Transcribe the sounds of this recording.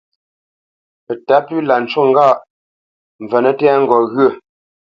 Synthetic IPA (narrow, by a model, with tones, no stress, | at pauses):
ə˨ta˨˦pʉ˦la˨n̩˨t͡ʃwo˦˨ŋ˦ɡa˦˨ʔ | ɱ̩˨və˨nə˦tɛ˦ŋ̩˦ɡɔ˨ɣə˦˨